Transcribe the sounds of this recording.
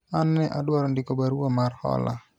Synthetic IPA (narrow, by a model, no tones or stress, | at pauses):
anːɛʔaɗwɔɾndikɔbaɾuamarhɔ̰la̰